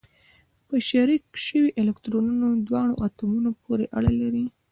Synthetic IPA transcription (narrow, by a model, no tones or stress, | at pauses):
pəʃaɾikʃəwiʔelekt̪ɾonunod̪wɑɳo̰ʔɑt̪umunopoɾeʔaɽalaɾi